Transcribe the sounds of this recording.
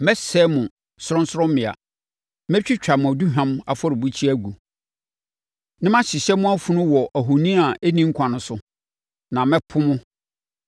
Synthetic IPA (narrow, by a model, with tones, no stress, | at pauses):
mɛ˦sɛ˦mʊ̃˨ | sʊ˦ɾɔ̃˦n˦sʊ˦ɔ̃˦mmɪ̃˨a̰˨ | mɛ̃˦t͡ɕᶣi˦t͡ɕᶣa˨mʊ̃˨æ˨du˦ɦã˦ma̰˨fɔ˦ɾɪ˨bu˦t͡ɕʰi˦æ˦ɡu˨ | nɪ̃˦mã˦ɕɪ˨ɕɛ˦mʊ̃˦a˦fũ˦nʊ̃˦wɔ˨ʔæ˨ɦo˨nĩ˦a˨ʔe˦nĩ˦ŋ̩˦kʰʷã˨nʊ̃˨sʊ˦ | nã˨mɛ̃˦pʰʊ˦mʊ̃˦